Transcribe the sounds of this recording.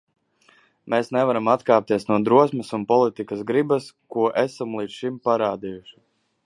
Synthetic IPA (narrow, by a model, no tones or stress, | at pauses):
meːsnɛvaɾamat̪kaːp̚t̪iɛsnuɔd̪ɾuɔsmɐsunpɔlˠit̪ikɐsɡɾibɐskuɔʔɛsamlˠiːt̪sʃimpaɾaːd̪ijuʃi̥